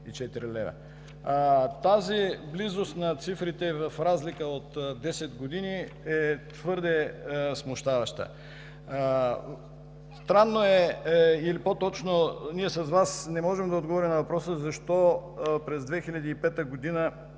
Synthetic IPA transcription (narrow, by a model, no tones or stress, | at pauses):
it͡ʃɛt̪iɾilɛ̰və̰ | t̪aziblizost̪nɐt̪sifɾit̪ɛvɐfɾazlikəot̪d̪ːɛsɛt̪ɡod̪iniɛt̪vɤɾd̪ɛsmoʃt̪avɐʃt̪ə̰ | st̪ɾanːoɛilipot̪ɔt͡ʃnoniɛsɐzvasnɛmɔʒɛmd̪ɐod̪ɡovɔɾimnɐvɐpɾɔsəzɐʃt̪ɔpɾɛzd̪vɛxilʲɐd̪iːpɛt̪əɡod̪inə